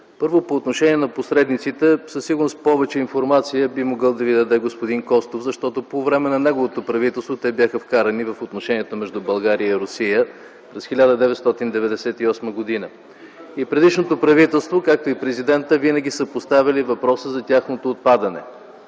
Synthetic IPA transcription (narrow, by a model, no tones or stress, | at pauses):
pɤɾvopoːt̪noʃɛnʲiɛnɐposɾɛd̪nit̪sit̪ɛsɐsiɡʊɾnost̪pɔvɛt͡ʃɛinfoɾmat̪sijəbimoɡɤlˠd̪ɐvid̪ɐd̪ɛɡospod̪inkɔst̪ofzɐʃt̪ɔt̪opovɾɛmɛnɐnɛɡovot̪opɾɐvit̪ɛlˠst̪vot̪ɛbjaxəfkaɾɐnivɐfot̪noʃɛniɛt̪omɛʒd̪ubɐlˠɡaɾiəiɾʊsijə | pɾɛsxʲilʲad̪əd̪ɛvɛt̪st̪ɔt̪ind̪ɛvɛd̪ɛsɛt̪iɔsməɡod̪inə | ipɾɛd̪iʃnot̪opɾɐvit̪ɛlˠst̪vokak̚t̪oipɾɛzid̪ɛnt̪əvinəɡʲisəpost̪avʲɐlivɐpɾɔsəzɐt̪ʲaxnot̪oːt̪̚pad̪ɐnɛ̰